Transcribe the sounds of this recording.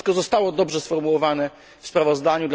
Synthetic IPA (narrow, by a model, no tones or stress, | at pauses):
kɔzɔst̪awɔd̪ɔbʐɛsfɔɾmuwɔvanɛ | fspɾavɔzd̪aɲud̪l